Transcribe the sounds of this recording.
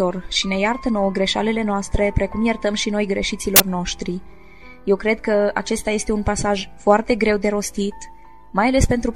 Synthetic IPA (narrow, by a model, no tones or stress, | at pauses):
o̞rʃine̞jart̪əno̞wəɡɾe̞ʃa̰le̞le̞noast̪ɾe̞pɾe̞kumjert̪əmʃino̞jɡɾe̞ʃit̪silo̞rno̞ʃt̪ɾi | je̞wkɾe̞d̪̚kəa̰t͡ʃe̞st̪aje̞st̪e̞unpasaʒfoart̪e̞ɡɾe̞wd̪e̞ɾo̞st̪it̪ | majale̞spe̞nt̪ɾu